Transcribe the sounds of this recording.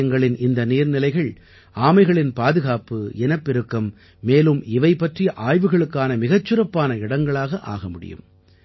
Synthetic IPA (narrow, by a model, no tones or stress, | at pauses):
ɐŋɡɐɭɪnɪnd̪ɐniːɾnɪlɐɪɣɐɭ | ʔaːmɐɪɣɐɭɪnpaːðɯɣaːpːɯɛnɐpːɪɾɯkːɐmː | eːlɯmɪʋɐɪpːɐʈrijɐʔaːjʋɯɣɐɭɯkːaːnɐmɪɣɐt͡ʃːɯɾɐpːaːnɐɪɽɐŋɡɐɭaːɣɐʔa̰ːɣɐmʊɽɪ̰jɯ̰m